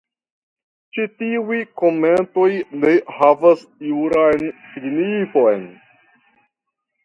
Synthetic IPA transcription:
t͡ʃitiujko̞me̞nto̞jne̞havasjuɾajnsiɡnifo̞jn

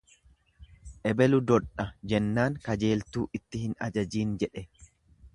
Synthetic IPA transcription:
ʔɛbɛlʊd̪ɔᶑɐd͡ʒɛnːaːŋkɐd͡ʒe̞ːlt̪uːʔɪt̪ːɪhɪnɐ̰d͡ʒɐd͡ʒiːnd͡ʒɛᶑɛ

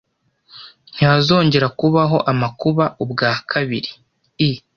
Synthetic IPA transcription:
n̥haːzo̞ːɲɟe̞ɾakuβaɦo̞ʔamakuβaubɡaːkʰaβiɾi | i

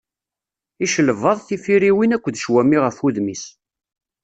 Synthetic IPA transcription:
iʃələvɑðˤθifiɾiwinækʷːəd̪ʃwæmiʁəfuðmis

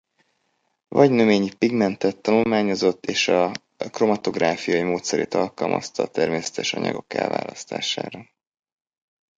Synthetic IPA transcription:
vɒɟnøveːɲipiɡmɛnt̪ɛt̪ːɒnulmaːɲo̞zo̞t̪ːeːʃɒ | kro̞mɒt̪o̞ɡraːfijɒjimoːt̪sɛɾḛːt̪ɒlkɒlmʔɒ̰st̪ɒːt̪ɛrmeːsɛ̥t̪ɛʃɒɲɒ̰ɡo̞kɛ̰lva̰ːlɒst̪a̰ːʃa̰ːɾɒ

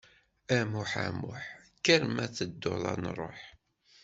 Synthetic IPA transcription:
æmʊħæ̰mʊħkːæɾmæθəd̪ːolˤɑ̰nrˤːoħ

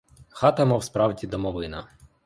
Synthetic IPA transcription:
xɑt̪ɐmɔwspɾɑwdʲid̪ɔmɔʋɪnɐ

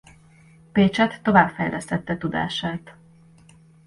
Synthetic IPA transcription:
peːt͡ʃɛt̪ːo̞vaːbfɛjlʔɛst̪ɛt̪ːɛt̪ud̪a̰ːʃaːt̪

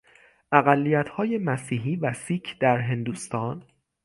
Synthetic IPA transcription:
ʔæɣælːijæt̪ʰhɒːje̞mæsiːɦiːvæsiːcʰd̪̥æɾɦe̞nd̪uːst̪ɒːn

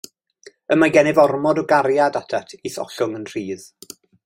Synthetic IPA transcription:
əmaɡɛnɪvɔrmɔdɔɡaɾjadatʰatʰiθɔ̰ɬʊŋənr̥iːð̥

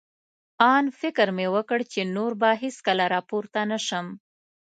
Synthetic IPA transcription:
ɑnfɪkɾmewəkəɽt͡ʃenoɾbaɦeskəlaɾɑpoɾt̪anaʃəm

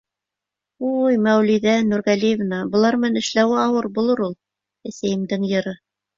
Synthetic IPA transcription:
ujmæwliðænuɾʁælijevnɑbɤ̆lˠɑɾmænɘ̆ʃlæwæɑwɤɾbulˠɤɾulˠ | æsæjɘ̆md̪ɘŋjɤ̆ɾɤ

